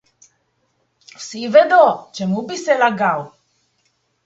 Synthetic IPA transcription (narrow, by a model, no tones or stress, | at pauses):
fsivɛd̪ot͡ʃɛmubisɛlaɡaw